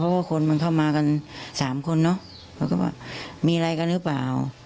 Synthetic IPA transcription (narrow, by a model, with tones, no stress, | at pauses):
pʰɔ˦˥waː˧˥˩kʰo˧nma˧nkʰa˥˩wmaː˧ka˧nsaː˨˩˦mkʰo˧nːɔ˦˥ | ɛː˧˩ka˧˥˩wa̰ː˧˩miː˧ɾa˧jka˧nhɯː˦˥˩pa̰ː˨˩w